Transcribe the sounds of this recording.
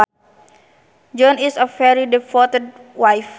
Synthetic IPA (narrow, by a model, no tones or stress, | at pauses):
d͡ʒɔ̃nisəfɛɾidɛfɔt̪əd̚wajf